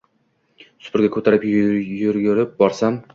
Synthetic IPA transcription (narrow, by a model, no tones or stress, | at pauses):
sʊ̥pʰʊɾɡʲakʰɵt̪ʰaɾɪpjʊɾɡʲʊɾɪp̚bɒɾsam